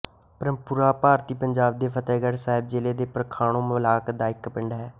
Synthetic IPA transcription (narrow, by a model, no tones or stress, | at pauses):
pəɾəmpʊɾaːpaːɾt̪iːpəɲd͡ʒaːb̚d̪eːpʰət̪ɛːɡəɽsaːɦɪb̚d͡ʒɪleːd̪eːpɾəkʰaːɽ̃õːmlaːkd̪aːɪkpɪɳɖɦɛː